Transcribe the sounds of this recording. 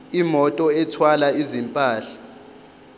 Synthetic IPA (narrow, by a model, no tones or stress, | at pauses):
imɔtʼɔɛtʰwalaizimpʼaːɬḁ